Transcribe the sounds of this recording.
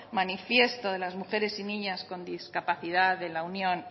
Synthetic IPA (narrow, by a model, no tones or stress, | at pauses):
manifje̞st̪o̞ð̞e̞lazmuxe̞ɾe̞sinĩɲasko̞nd̪iskapaθiðaðe̞launjõ̞n